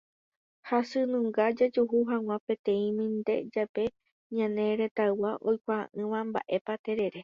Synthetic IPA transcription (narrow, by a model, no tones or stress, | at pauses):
hasɨnũŋɡad͡ʒad͡ʒuɦuɦãw̃ãpẽ̞t̪ẽ̞ĩmĩnd̪e̞̰d͡ʒape̞ | ɲãne̞ɾe̞t̪awaʔo̞jkʷaã̰ʔɨ̃ʋãmba̰ʔe̞pat̪e̞ɾe̞ɾe̞